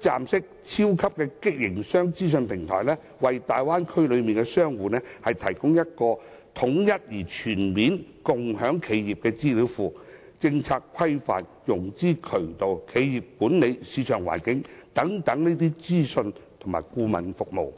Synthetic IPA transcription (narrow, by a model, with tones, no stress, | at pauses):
t͡saː˨msɪ˥k̚t͡sʰiː˥wkʰɐ˥p̚kɛː˧kɪ˥k̚jɪ˨˩ŋsœː˥ŋt͡siː˥s̬ɵ˧npʰɪ˨˩ŋt̪ʰɔ̰ː˨˩jlɛː˥ | wɐ˨jt̪aː˨jwaː˥nkʰɵ˥ɥlɵ˨˧ɥmiː˨nkɛ˧sœː˥ŋwuː˨nɛː˥hɐ˨jt̪ʰɐ˨˩jkʊ˥ŋjɐ˥t̚kɔː˧ | t̪ʰʊ˨˥ŋjɐ˥t̚jiː˨˩t͡ʃʰyː˨˩nmiː˨˥nkʊ˨ŋhœː˨˥ŋkʰe˨˧jjiː˨p̚kɛː˧t͡siː˥liː˨˥wfuː˨˩ | t͡sɪ˧ŋt͡sʰaː˧kʰwɐ˥jfa̰ː˨n̚jʊ˨˩ŋt͡siː˥˩kʰɵ˨˩t̪o˨wkʰe˨˧jjiː˨p̚kuː˨˥nle˨˧jsiː˨˧t͡ʃʰœː˨˩ŋwa̰ː˨˩nkɪ˨˥ŋt̪ɐ˨˥ŋt̪ɐ˨˥ŋniː˥t̪̬iː˥t͡siː˥sɵ˧nt̪ʰʊ˨˩ma̰ː˨˩jkuː˧mɐ̰˨nfʊ˨k̚mo̰˨˩w